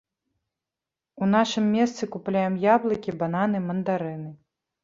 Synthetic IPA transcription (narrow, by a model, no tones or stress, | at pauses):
un̪aʂɨmːʲɛst̪sɨkuplʲajɛmjablˠɐkʲibananɨmɐnd̪aɾɨnɨ